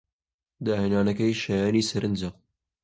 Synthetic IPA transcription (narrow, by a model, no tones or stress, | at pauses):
d̪ɑːheːnɑːnɐkɐjʃɐjɑːniːsɐɾʔɨnd͡ʒɨq